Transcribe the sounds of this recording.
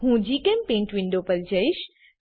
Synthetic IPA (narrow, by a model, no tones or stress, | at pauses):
ɦũd͡ʑiːkɛ̃mpẽːnʈʋɪ̃nd̪opəɾd͡ʑəiʃ